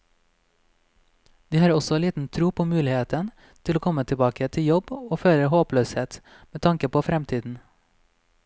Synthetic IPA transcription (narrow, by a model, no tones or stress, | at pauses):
d̪̥iːhɑːɾɔsɔliːt̪n̩t̪ʰɾuːpʰoːmʉːlɪheːt̪ən | t̪ʰɪloːkʰɔmət̪ʰɪbɑːkət̪ʰɪjɔboːføːɾəhoːpløːsheːt̪ | meːt̪ʰɑŋkəpʰoːfɾɛmt̪ʰiːd̪n̩